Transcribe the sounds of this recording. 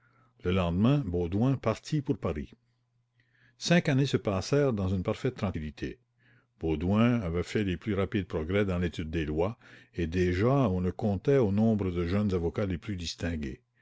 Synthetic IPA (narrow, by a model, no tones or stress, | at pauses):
ləlɑ̃d̪mɛ̃bod̪wɛ̃paʁt̪ʰipuʁpaʁi | sɛ̃kanesəpaːsɛːʁd̪ɑ̃zynpaʁfɛt̪ːɾɑ̃kilit̪ʰḛ | b̥od̪wɛ̃avɛfɛleplyʁapid̪̚pɾɔɡʁɛd̪ɑ̃let̪yd̪ːelwaed̪eʒaɔ̃ləkɔ̃t̪ɛonɔ̃bʁəd̪əʒœnzavɔkaleplyd̪ist̪ɛ̃ɡḛ